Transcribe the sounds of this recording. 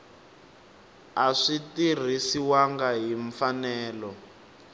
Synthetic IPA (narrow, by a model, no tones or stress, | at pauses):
aʂitir̤isiwaŋɡaɦiɱfanɛːlɔ